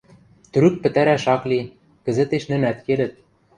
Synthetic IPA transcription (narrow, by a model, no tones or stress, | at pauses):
t̪̆ɾyk̚pɘ̆t̪æɾæʃɑkli | kɘ̆zɘ̆t̪eʃnɘ̆næt̪kelɘ̆t̪̚